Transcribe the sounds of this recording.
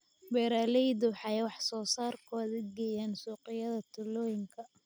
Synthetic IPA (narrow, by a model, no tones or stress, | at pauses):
bɛːɾaːlɛjd̪ʊwħɑjwɑħsɔːsaːrkʰɔːðɐɡɛːjaːnsuːqɪjɐðɐt̪ʰʊlɔːjɪŋkʰɐ